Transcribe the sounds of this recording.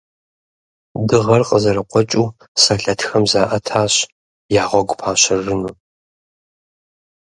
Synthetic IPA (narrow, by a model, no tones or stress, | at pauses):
dɨʁɐrqʼəzɐɾɐqʷɔt͡ʃʼuː | saːɬɐtʰxɐmzaːʔɐtʰaːɕ | jaːʁʷɔɡʷpʰaːɕɪrɨnuː